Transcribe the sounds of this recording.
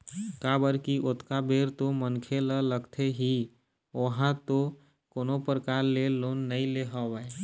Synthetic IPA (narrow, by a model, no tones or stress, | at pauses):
kabəɾkiʔot̪kabeɾt̪omənkʰelələɡt̪ʰeɦi | oɦãt̪o | konopɾəkaːɾleloːnːəĩleɦɔʋəe